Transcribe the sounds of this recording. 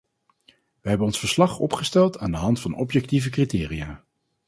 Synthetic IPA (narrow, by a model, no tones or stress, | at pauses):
ʋəɦɛbənɔnsfəɹslɑχɔ̰pχəstɛlˠtaːndəɦɑntfɑnɔpjɛk̚tivəkritɪːrijaː